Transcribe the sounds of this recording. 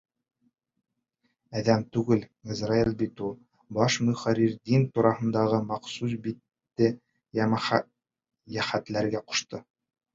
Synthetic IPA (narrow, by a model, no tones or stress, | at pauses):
æðæmt̪ʉɡɘlizrailʲˠbit̪ulˠ | bɑʃmɵχɑɾiɾd̪int̪uɾɑhɤ̆nd̪ɑʁɤmɑqsusbit̪ːɘ | m | jæχæt̪læɾɡæqŏ̥ʃt̪ɤ